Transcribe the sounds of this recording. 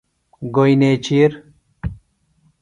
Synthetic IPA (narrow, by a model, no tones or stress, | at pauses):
ɡojnet͡ɕiɾ